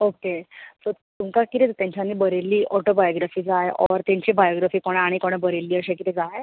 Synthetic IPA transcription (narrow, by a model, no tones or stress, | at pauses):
okesə | t̪uŋkakit̪et̪jãɲt͡ɕanːiːbəɾelːiːʔɔʈobajoɡɾafiːd͡zajʔɔ̰ɾt̪ãɲt͡ɕibajoɡɾafiːkɔɽ̃ɛ̃aɽ̃ikoɽ̃ɛ̃bəɾelːiːəɕakit̪ed͡zaɦe